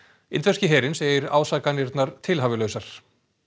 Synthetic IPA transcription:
ɪ̰nt̪vɛscɪɦɛːɾɪnseːjɪɾa̰ːwsaːkanɪɾt̪naɾ̥t̪ʰɪlɦaːvɪlœːɥsaɾ̥

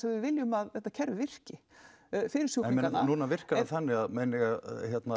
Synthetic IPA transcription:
sɛmvɪðvɪljʏmaðɛht̪ːacʰɛɾvɪvɪr̥cɪ | fɪːɾɪɾ̥sjuanuːnavɪr̥kaaθɛnːɪaðmeːnɪɣaçjɛt̪na

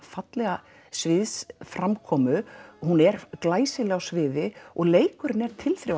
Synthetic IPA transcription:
fat̪lɛɣa | svɪðsfɾamkʰɔːmʏhunɛɾklaːjsɪlɛɣasvɪːðɪɔɣleːjkʏɾɪnɛɾ̥t̪ʰɪlθɾɪ

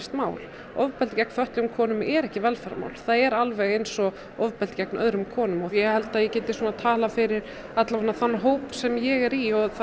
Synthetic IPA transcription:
st̪maːwl | ɔvpɛlt̪cɛk̚n̥fœht̪lʏmkʰɔːnʏmɛɾɛhcɪvɛlfaɾama̰ːwlθaðɛɾalvɛɣejnsɔ | ɔvpɛlt̪cɛk̚nʔœðɾʏmkʰɔːnʏmɔjɛhɛlt̪aðjɛcɛːt̪ɪsuːnat̪ʰaːlafɪɾɪɾ̥ | at̪lavnːaθanːaɦoːwpsɛmjɛɣɛɾiɔθa

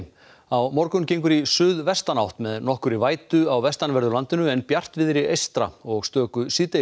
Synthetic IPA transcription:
awmɔɾkʏmcejŋk̬ʏɾisʏðvɛst̪anawht̪mɛðnɔhkʏɾivaːjt̪ʏawvɛst̪anvɛɾðʏlant̪ɪnʏɛnpjar̥t̪vɪðɾiejst̪ɾa̰ɔɣst̪œːkʏsiːt̪e

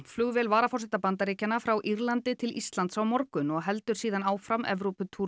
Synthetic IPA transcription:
flʏɣvɛlvaːɾafɔr̥sɪt̪apant̪aɾiːcanafɾawʔiɾlant̪ɪt̪ʰɪlʔist̪lant̪sawmɔɾkʏnɔɣɦɛl̪t̪ʏɾ̥siːðanaːwfɾamʔɛ̰vɾupʏt̪ʰu

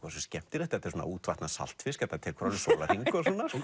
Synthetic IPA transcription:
kasɛmscɛm̥t̪ɪɾɛht̪aɛt̪ɛ̥ɾsɔna̰uːt̪vaht̪nasa̰l̥t̪fɪskɛt̪ːat̪ʰɪlkʰvɾalɪsolahiŋkʏsɔːna

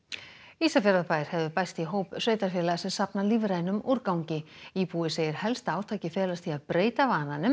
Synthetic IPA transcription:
iːsafɛːɾaðpajɾ̥hɛvðɪpajst̪iɦoːwpsveːjt̪aɾ̥fjɛːlaɣasɛsapnaliːvɾaːjnʏmuɾkawɲcɪiːpuːɪseːjɪɾ̥hɛlst̪aːwt̪ʰaːjcɪfɛːlast̪ʰiaðpɾeːjt̪avaːnanʏm

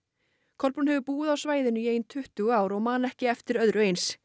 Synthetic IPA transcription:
kʰɔlpɾunɦɛvʏɾpuːɣɪðawsvaːjðɪnʏieːjnt̪ʰʏht̪ʏɣaːwɾɔɣmaːnɛhcɪɛft̪ɪɾœðɾʏejns

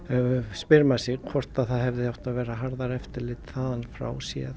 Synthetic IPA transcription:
spɪɾmasɪɣkʰvɔr̥t̪aðθaðhɛvðɪjawht̪aðvɛːɾaɦaɾðaɾɛft̪ɪɾlɪt̪θaðanfɾa̰ːwsjɛ̰ð

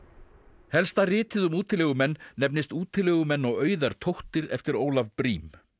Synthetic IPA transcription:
hɛlst̪arɪːt̪ɪðʏmuːt̪ʰɪlɛɣʏmɛnːɛpnɪst̪uːt̪ʰɪlːɛɣʏmɛnːɔɣœːɥðaɾ̥t̪ʰowht̪ɪɾɛ̰ft̪ɪɾoːwlavpɾiːm

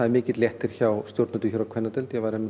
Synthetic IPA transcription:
aðɛɾmɪːcɪt̪ljɛht̪ɪɾ̥çawst̪jowɾt̪nat̪ʏçʏɾakʰvɛnːat̪ɛlt̪jɛvaɾɛm

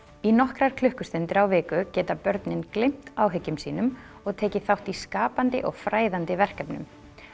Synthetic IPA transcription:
inɔhkɾaɾ̥kʰlʏhkʏst̪ɪnt̪ɪɾawvɪːkʏcɛːt̪apœɾt̪nɪnklɪm̥t̪awɦʏcːʏmsiːnʏm | ɔɣt̪ʰɛːcɪθawht̪iskaːpant̪ɪ̰ʔɔɣfɾaːjðant̪ɪvɛr̥kɛpnʏ̰m

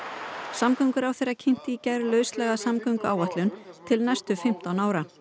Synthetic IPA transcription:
samkœɥŋkʏɾawθejrːacʰem̥t̪ɪːcaɾlœːɥslɛɣasamkœɥŋkʏawaht̪lʏnt̪ʰɪlnɛst̪ʏfɪm̥t̪awnaːwɾa

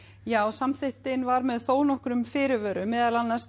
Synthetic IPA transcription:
jaːwsamθɪht̪ɪnvaɾmɛðθoːwnɔhkɾʏmfɪːɾɪvœːɾʏmːɛːðalanːḁs

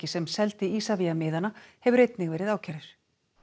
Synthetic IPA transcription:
cɪsɛmsɛlt̪ɪiːsaviamɪːðanahɛvʏɾejt̪nɪɣvɛːɾɪðaːwcʰɛɾɪɾ̥

